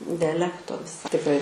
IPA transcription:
dʲɛˈlʲæːktoː tʲɪkˈrɐɪ

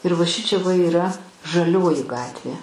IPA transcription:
ɪr ʋɐ ˈʃʲɪt͡ʃʲɛ ʋɐ iːˈrɐ ʒɐˈlʲoːjɪ ˈɡɑːtʲʋʲeː

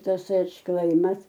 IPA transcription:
ˈtɐs ɐtʃˈklˠɐɪmɐs

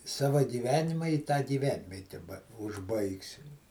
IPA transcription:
ˈsɑːʋɐ ɡʲiːˈʋʲæːnʲɪmɐ ɪ tɑː ɡʲiːˈʋʲɛnʲʋʲiɛtʲɛ bɐ ʊʒˈbɐɪksʲɪm

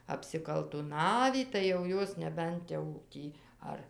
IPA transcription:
ɐpʲsʲɪkɐlˠtʊˈnɑːʋʲiː tɐɪ jɛʊ ˈjoːs nʲɛˈbʲɛnt jɛʊ ˈtʲiː ˈɐr

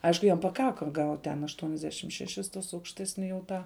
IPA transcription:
ˈɐɪʃkʊ ˈjɛm pɐˈkɑːkɐ ɡɐʊtʲ tʲɛn ɐʃtuɔnʲɛzʲˈdʲæːʃʲɪm ʃʲɛˈʃʲɪs tuɔs ɐʊkʃʲˈtʲæːsʲnʲɪ jɛʊ ˈtɑː

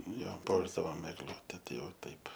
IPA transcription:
ˈjoː ˈpuɔʒdɐʋoːm ɛɡˈlˠʊtʲɛ ˈtɐɪ ˈjɛʊ ˈtɐɪp

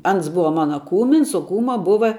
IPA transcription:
ˈɐns ˈbʊʋɐ ˈmɑːnɐ ˈkuːmʲɪns oː ˈkuːmɐ ˈbʊʋɐ

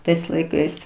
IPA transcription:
ˈtɐɪs lˠɐɪˈkɐɪs

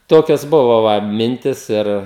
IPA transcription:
ˈtoːkʲoːs ˈbʊʋɐ ˈʋɐ ˈmʲɪnʲtʲɪs ˈɪr

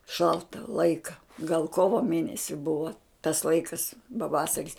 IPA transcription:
ˈʃɐlˠtɐ ˈlˠɐɪkɐ ɡɐlˠ ˈkoːʋoː ˈmʲeːnʲɛsʲɪ ˈbʊʋoː tɐs ˈlˠɐɪkɐs pɐˈʋɑːsɐrʲɪs

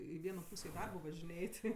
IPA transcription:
ɪ ˈʋʲiɛnoː ˈpuːsʲeː ɪ ˈdɐrboː ʋɐʒʲɪˈnʲeːj ˈtʲɪ

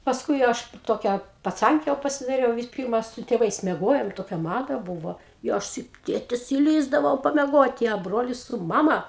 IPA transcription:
pɐsˈkʊɪ ˈɐʃ ˈtoːkʲɛ pɐˈt͡sɐŋʲkʲɛ jɛʊ pɐsʲɪdɐˈrʲɛʊ ʋʲɪs ˈpʲɪrmɐ sʊ tʲeːˈʋɐɪs mʲiɛˈɡoːjoːm ˈtoːkʲɛ ˈmɑːdɐ ˈbuːʋoː ɪ ˈɐʃ sʊ ˈtʲeːtʲɪs ɪˈlʲiːzdɐʋɐʊ pɐmʲɛˈɡoːtʲɪ ɐ ˈbroːlʲɪs sʊ ˈmɑːmɐ

